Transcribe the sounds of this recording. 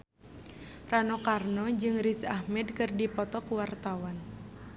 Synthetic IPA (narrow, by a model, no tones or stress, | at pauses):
ranɔkarnɔd͡ʒɨŋrisahmɛdkɨrdipɔt̪ɔkuwart̪awan